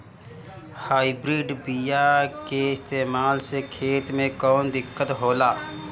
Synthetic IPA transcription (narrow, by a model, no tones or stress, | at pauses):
haːibɾiːɖbijakeɪst̪eːmaːlsekʰeːt̪mẽkɔːnd̪ɪkːət̪ɦoːlaː